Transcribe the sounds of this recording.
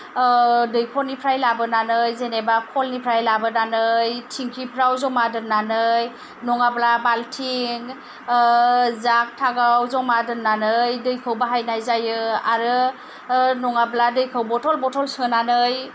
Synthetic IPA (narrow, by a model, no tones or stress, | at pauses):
dɯjkʰɔlnipʰɾajlabɯnanɯjzenebakʰɔlnipʰɾajlabɯnanɯjtʰiŋkʰipʰɾawzɔmadɯnːanɯj | nɔŋablabaltʰiŋ | zak̚tʰaɡawzɔmadɯnːanɯjdɯjkʰɯwbaɦajnajzajɯa̰ɾɯ | nɔŋabladɯjkʰɯwbɔtʰɔlbɔtʰɔlsɯnanɯj